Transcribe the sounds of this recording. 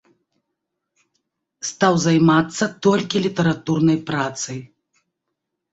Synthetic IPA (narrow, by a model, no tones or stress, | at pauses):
st̪awzajmat̪sːɐt̪ɔlʲkʲilʲit̪ɐɾat̪urnɐjpɾat̪sɐj